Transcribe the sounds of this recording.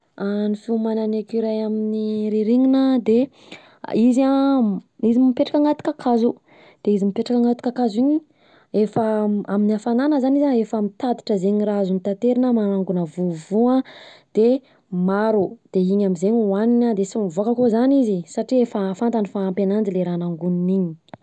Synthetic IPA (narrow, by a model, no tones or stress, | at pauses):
anifiuumananekiɾajaminiɾiɾiɲinəd̪e | iza | izimmipeʈ͡ʂḁkaŋɡat̪i̥kakʰazu | d̪̥eizimipeʈ͡ʂakaŋɡat̪ikakaziɲi | efaaminiafananəzanizaefəmit̪ad̪i̥ʈ͡ʂəzeɲiɾazunit̪ant̪eɾinəmanaŋɡunəvuvuad̪̥e | maɾud̪̥eiɲamizeɲwaninad̪esimvokəkozanizisaʈ͡ʂiefəfant̪anifaːmpenand͡ʒileɾanaŋɡuniniɲi̥